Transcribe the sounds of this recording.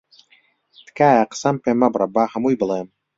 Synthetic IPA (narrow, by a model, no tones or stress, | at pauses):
t̪kaːjaqsampemabɾʔabahamujbɨlˠam